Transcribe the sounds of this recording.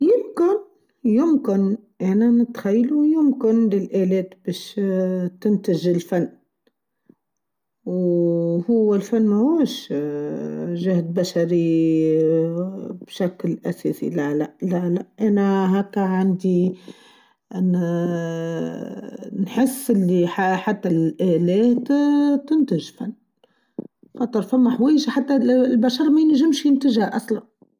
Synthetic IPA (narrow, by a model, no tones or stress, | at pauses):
jʊmkɪn | jʊmkɪnʔænænɪt̪xajːlujʊmkɪnlɪlʔælɛːt̪bɛːʃt̪ɪnt̪ɪʒɪlfanː | whʊwːælfanːhuːʃ | ʒahd̪̚baʃaɾi | b̥ʃaklʔæsɛːsḭlælæʔlælæʔʔænæɦækːæʕand̪i | nħɪsːɪlːiħaħat̪ːælʔælɛːt̪t̪ːɪnt̪əʒfanː | fɑt̪ˤːəɾˤfæmːæħwɛːjʒħat̪ːælbæʃɑɾˤmæjɪnʒɪmʃjɪnt̪əʒhæʔæslan